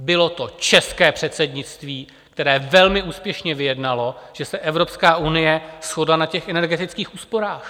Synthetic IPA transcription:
bɪlo̞t̪o̞t͡ʃɛskɛːpr̝̥ɛt̪sɛdɲɪt͡st̪viː | k̚t̪ɛɾɛːvɛlmɪʔuːspjɛʃɲɛvɪjɛdnalo̞ʒ̥ɛsɛʔɛvɾo̞pskaːʔunɪjɛsxodlanacɛxɛnɛɾɡɛt̪ɪt͡skiːxuːspo̞ɾaːx

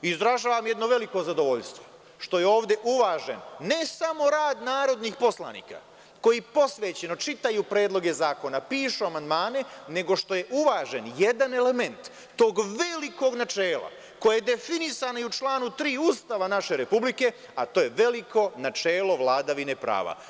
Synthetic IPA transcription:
izd̪ɾaʒaːʋamje̞d̪noʋe̞liko̞zad̪o̞ʋo̞ʎst̪ʋo̞ | ʃt̪o̞jeo̞ːʋd̪e̞ʔuʋaːʒḛnːe̞samo̞ɾaːd̪naːɾo̞d̪nixpo̞sla̰nḭːka̰ | ko̞jipo̞sʋeːt͡ɕe̞no̞t͡ʃit̪ajupɾe̞ːd̪lˠo̞ɡe̞zaːko̞napiːʃuamand̪maːne̞ne̞ɡo̞ʃt̪o̞je̞ʔuʋaːʒe̞nje̞d̪ane̞le̞me̞nt̪ː | o̞ːɡʋe̞liko̞ɡnat͡ʃeːlˠa̰ | ko̞jajed̪e̞finisanaiut͡ʃlˠaːnut̪ɾiːust̪aːʋanaʃe̞ɾe̞publike̞ | at̪o̞ːje̞ʋe̞liko̞nat͡ʃeːlo̞ʋlaːd̪aʋine̞pɾa̰ːʋa̰

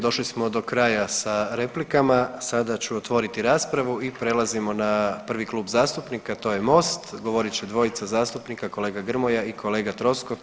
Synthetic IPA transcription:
d̪o̞ʃlismo̞d̪o̞kɾaːjasaɾe̞plikamasad̪at͡ɕuot̪ʋo̞ːɾit̪iɾaːspɾaʋuipɾe̞lazimo̞napr̩ʋiklˠuːbzaːst̪upnikat̪o̞ːjemo̞ːst̪ɡo̞ʋo̞ɾit͡ɕɛd̪ʋo̞it̪sazaːst̪upnikako̞leːɡaɡr̩mo̞jaikʰo̞le̞ːɡat̪ɾo̞sko

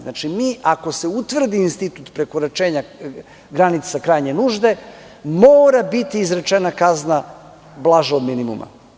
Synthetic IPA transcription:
znat͡ʃimiːʔako̞se̞ut̪ʋr̩d̪iːnst̪it̪ut̪pɾe̞koɾat͡ʃeːɲa | ɡɾanit̪sakɾaːjɲe̞nuːʒd̪e̞ | moːɾabit̪iːzɾet͡ʃenakazna | blˠaʒaod̪minimṵma̰

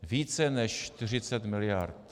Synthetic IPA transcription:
viːt͡sɛnɛʃt͡ʃt̪ɪr̝ɪt͡sɛt̪mɪlɪjaɾt̪

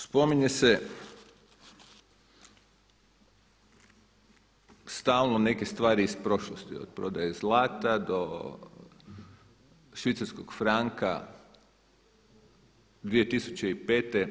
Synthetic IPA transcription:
spo̞miɲese | st̪aːlˠnone̞kest̪ʋaːɾiːspɾo̞ʃlost̪ḭo̰d̪̚pɾo̞d̪ajezlaːt̪ad̪o | ʃʋit̪saɾskoɡ̥fɾaŋka̰ | d̪ʋije̞t̪isut͡ɕeipe̞ːt̪e

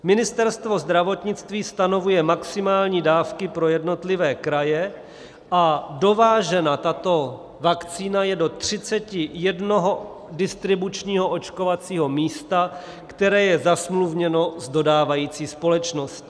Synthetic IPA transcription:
mɪnɪst̪ɛɾst̪vo̞zd̪ɾavo̞t̪ɲɪt͡st̪viːst̪ano̞vujɛmaksɪmaːlɲiːdaːfkɪpɾo̞jɛdno̞t̪lɪvɛːkɾajɛ | ʔado̞vaːʒɛnat̪at̪o̞ | vakt͡siːnajɛdo̞t̪r̝̥ɪt͡sɛcɪjɛdno̞ɦo̞ | dɪst̪ɾɪbut͡ʃɲiːɦo̞ʔo̞t͡ʃko̞vat͡siːɦo̞miːst̪a | kt̪ɛɾɛːjɛzasmluvɲɛno̞zdo̞daːvajiːt͡siːspo̞lɛt͡ʃnost̪

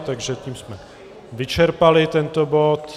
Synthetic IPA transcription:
t̪aɡʒɛciːmsmɛ | vɪt͡ʃɛɾpalɪt̪ɛnt̪obo̞t̪

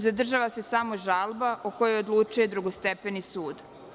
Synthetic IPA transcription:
zad̪r̩ʒaʋase̞saːmoʒalbaʔoko̞jeo̞d̪lˠut͡ʃuje̞d̪ɾuɡost̪epenisuːd̪

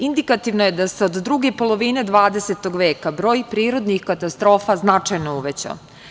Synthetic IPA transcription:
ind̪ikat̪iʋno̞je̞d̪aseod̪d̪ɾuɡe̞po̞lˠo̞ʋine̞d̪ʋaːd̪e̞set̪o̞ɡʋeːkabɾo̞ːjpɾiːɾo̞d̪nixkat̪ast̪ɾo̞ːfaznat͡ʂajnouʋet͡ɕa̰

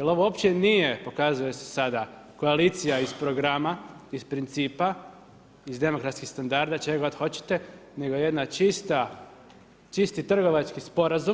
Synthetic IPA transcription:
jelo̞ʋoopt͡ɕenije̞po̞kazuje̞sesad̪a | ko̞aliːt̪sijaizpɾoɡɾamaispɾint̪siːpa | izd̪e̞mo̞kɾat̪skixst̪and̪aɾd̪at͡ʃeɡod̪xo̞t͡ɕe̥t̪e̞ne̞ɡojeje̞d̪nat͡ʃist̪a | t͡ʃist̪it̪r̩ɡo̞ʋat͡ʃkispo̞ɾazum

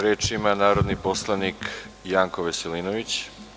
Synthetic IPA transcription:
ɾeːt͡ʃimanaːɾod̪niposlˠanik | jaːŋko̞ʋeseliːnoʋit͡ɕ

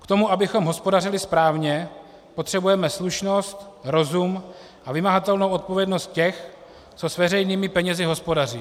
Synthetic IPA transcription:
kt̪o̞muʔabɪxo̞mɦo̞spo̞darɪlɪspɾaːvɲɛ | po̞t̪r̝̥ɛbujɛmɛsluʃno̞st̪ɾo̞zum | ʔavɪmaɦat̪ɛlnowʔo̞t̪po̞vjɛdno̞st̪̚cɛx | t͡so̞svɛrɛjniːmɪpɛɲɛzɪɦo̞spo̞dariː

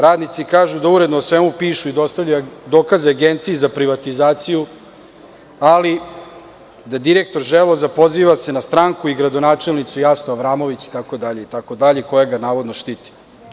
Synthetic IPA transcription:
ɾaːd̪nit̪sikaːʒud̪auɾe̞d̪noːsʋe̞mupiːʃuid̪o̞st̪avʎud̪oːkazeaɡent̪sijezapɾiʋat̪izaːt̪siju | ali | d̪ad̪iɾek̚t̪o̞ɾʒelˠozapo̞ziːʋase̞nast̪ɾaːŋkuiɡɾad̪onaːt͡ʃelˠnit̪sujasnoaʋɾaːmo̞ʋit͡ɕi̥t̪ako̞d̪aʎeit̪ako̞d̪aʎeko̞jeɡanaːʋo̞d̪noʃt̪it̪i̥

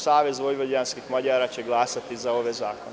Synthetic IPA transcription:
saːʋezʋo̞jʋod̪ianskixmaʎaːɾaːt͡ɕe̞ɡlaːsat̪izao̞ʋezaːkon

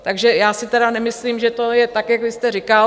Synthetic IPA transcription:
t̪aɡʒɛjaːsɪt̪ɛɾanɛmɪsliːmʒɛt̪ojɛt̪akjakvɪst̪ɛrɪka

